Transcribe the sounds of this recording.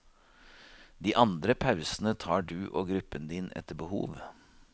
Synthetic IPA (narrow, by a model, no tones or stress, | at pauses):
d̪iːʔɑnd̪ɾəpʰɑʉsnət̪ʰɑːɖʉːʔoːɡɾʉpːənd̪iːnɛ̰t̪ːəbəhṵːʋ